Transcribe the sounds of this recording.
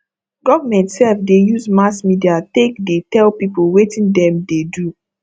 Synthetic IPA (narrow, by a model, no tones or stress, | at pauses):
ɡɔvamɛ̃ntsɛlfdejuzmasmidiatekdetɛlpipolwetĩndɛ̃mdedu